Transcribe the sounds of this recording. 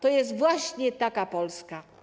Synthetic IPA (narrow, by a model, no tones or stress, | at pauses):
t̪ɔjɛst̪vwaɕɲɛt̪akapɔlska